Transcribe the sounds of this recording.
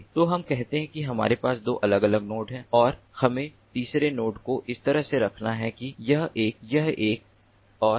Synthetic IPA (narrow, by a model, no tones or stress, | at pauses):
t̪oɦɐmkɛɦt̪eɦɛ̃kiɦɐma̰ːɾepaːsd̪o̰ːʔɐləɡɐləɡnoːʈɦɛ̃ːɔːɾ | hɐmẽ | t̪iːsɾenoːʈkoʔɪst̪ɐɾəɦseɾɐkʰnaɦɛkijɐɦeːkjɐɦeːk̚ | ɔː